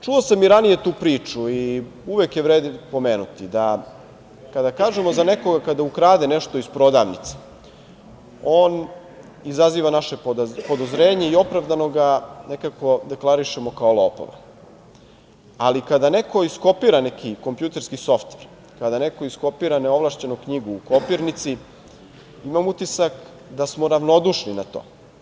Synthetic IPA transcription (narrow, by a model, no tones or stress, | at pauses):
t͡ʃuosamiɾanije̞t̪uːpɾiːt͡ʂuiuʋekjeʋɾeːd̪po̞meːnut̪id̪a | kad̪akaːʒe̞mozane̞ko̞ɡakad̪aukɾaːd̪eneʃt̪o̞ispɾo̞d̪a̰ːʋnḭt̪se̥ | o̞ːn | izaziːʋanaʃe̞pod̪ozɾe̞ːɲe̞io̞pɾaʋd̪ano̞ɡanekako̞d̪e̞klˠaɾiʃe̞mo̞kaolˠoːpo̰ʋa̰ | alikad̪ane̞ko̞isko̞piɾane̞kʰiko̞mpjut̪e̞ɾskiso̞ft̪ʋeɾ | kad̪ane̞ko̞isko̞piːɾaneo̞ʋlˠaʃt͡ɕenokɲiɡuːkopiɾnit̪si | imamut̪isak | d̪asmoɾaʋno̞d̪uʃninat̪o̞̰ː